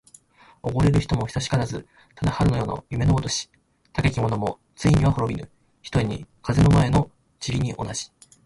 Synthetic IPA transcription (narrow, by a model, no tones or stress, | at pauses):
o̞ɡo̞ɾe̞ɾɯ̟çi̥t̪o̞mo̞çi̥saɕi̥kaɾazɨ | t̪ʰad̪ahaɾɯ̟nojo̞ːno̰jɯme̞noot̪o̞ɕi̥ | t̪ake̞kʲimo̞no̞mo̞ | t͡sɨiɲ̟iβahoɾo̞bʲinɯ̟̰ | çi̥t̪oiɲ̟ḭkʰaze̞no̞mae̞no̞ | t͡ɕiɾʲiɲ̟iʔo̞̰naʑi̥